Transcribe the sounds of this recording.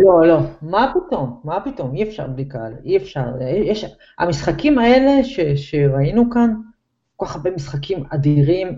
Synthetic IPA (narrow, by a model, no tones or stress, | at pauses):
lo̞lo̞mapito̞mːapito̞miefʃa̰ʁblikaliefʃaʁejɛʃ | a̰misχakimae̞le̞ʃeʃe̞ʁainukan | koaχaʁbemisχakimad̪iʁim